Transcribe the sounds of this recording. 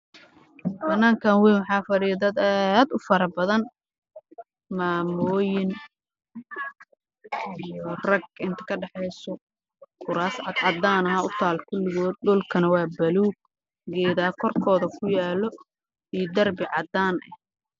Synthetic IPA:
bɐnːaːŋkʰanwɛnwɑħɑːfɐɾijɐd̪ɐd̪aːaːd̪ʊfɐɾɐbɐðɐn | maːmɔːjɪn | ijɔrɐɡ̚ɪnt̪ʰɐ̥kʰɐɖɑħɛjsɔ | kʰʊɾaːsʕɑd̪ʕɑd̪aːnɐɦɐʊt̪ʰaːlkʰʊlːɪɣɔːd̪̚ɗʊlkʰɐnɐwɑːbɐluːɡ̚ | ɡɛːðaːkʰɔrkʰɔːðɐkʰʊjaːlɔ | ijd̪ɐrbɪʕɑd̪aːnʔɛ̰h

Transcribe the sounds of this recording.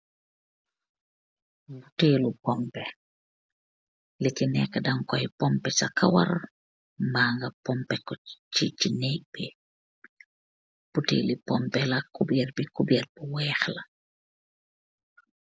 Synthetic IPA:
buteːlupɔmpɛ | licinɛkːɐdɐŋkɔjpɔmpɛt͡ʃɐkɐwɐ̰r | mbaːŋɡɐpɔmpɛkɔt͡ʃit͡ʃinɛːk̚bi | b̥utḛːlipɔmpɛlɐkubɛrbikubɛrbuwɛːxlɐ

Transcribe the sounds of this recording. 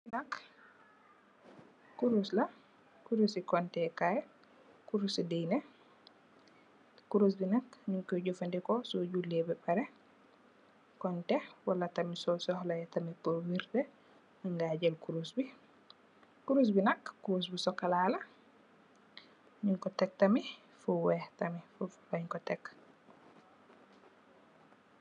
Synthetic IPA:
inɐk | uɾuslɐ | kuɾusikɔntɛkaj | kuɾusidijnɛ | kuɾus̬binakɲuŋkɔɟɔfandikɔsuɟulːɛbɛbaɾɛ | kɔntɛwalatamisɔsɔhlajɛtamipowiɾdɛ | aŋɡad͡ʒɛlkuɾusbi | kuɾus̬binakːuɾos̬bisɔkːalaːla | ɲuŋkɔtɛk̚tami | fuwɛhtamifufbaɲkɔtɛkː

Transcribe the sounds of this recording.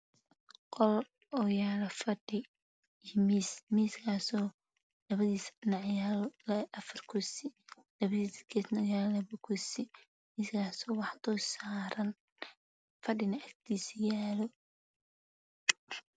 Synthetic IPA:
qɔl | ɔjaːlɐfɐɖɪ | mismiːskʰaːsɔː | lɐβɐðiːsnɑʕjaːlɔlɛʔɐfɐrkʰʊsɪ | lɐβɐðiskʰɛsnɐjaːlɐβʊkʰʊsɪ | miːskʰaːsɔːwɑħd̪ɔsaːɾɐn | fɐɖɪnɐɐkt̪ʰiːsjaːlɔ

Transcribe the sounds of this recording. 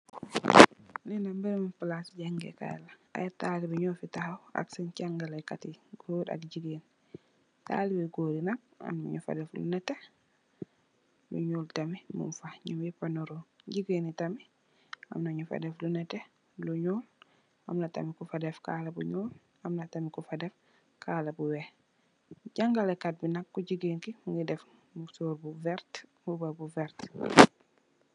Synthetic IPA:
linambɛɾmunfalasd͡ʒaŋɡɛ̰ka̰jɛ̰laa̰jatalibɛɲɔfitahawa̰ksɛnt͡ʃaŋɡalajkatiɡoda̰kd͡ʒiɡen | ta̰libɛɡoɾinak̚a̰mna̰ɲufa̰dɛflṵnɛtɛ | lṵɲoltamimṵnfaɲumipanɔɾɔd͡ʒiɡenitami | a̰mnaɲufa̰dɛflunɛtɛ | luɲuːl | amnɐtɐ̰mikufadɛfka̰ːlɐbṵɲuːl | ɐmnɐtamikufadɛf | kʰaːlɐbuwɛh | ɟaŋɡalɛkat̚binɐkːuɟiɡeːnkimuŋɡidɛf | musoːɾbuvɛɾtmubabuvɛɾt

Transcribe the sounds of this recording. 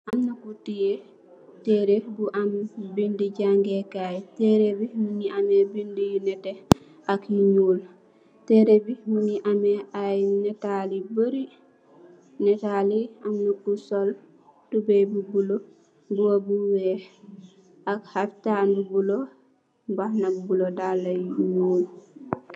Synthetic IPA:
ʔamnukutije | tɛɾebuʔambindiɟaŋɡekajtɛɾebimuniʔamebindijunɛtɛ | akiɲuːl | tɛɾebimuniʔamɛajnɛtalibəɾi | nɛtaliamnukːusɔl | tubebubulo | buwabuwɛ | akhaftanbubulo | bahnabbulodalːajiɲuːl

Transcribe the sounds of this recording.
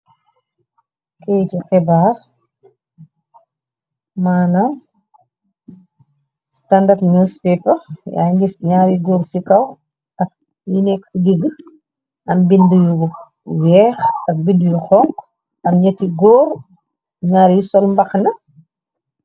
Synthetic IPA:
kɛjtixɛbaːr | maːnɐm | standartnuspɛpɐja̰ːɲisɲaːɾiɡɔːɾsikɐw | tɐk̚ | jinɛksiɡeɡə | ʔɐmbindəjuɡɔ | wɛːxɐk̚bindjuxɔŋk | ɐmɲɐtiɡɔːɾ | ɲaːɾjisɔlmbɐxnɐ

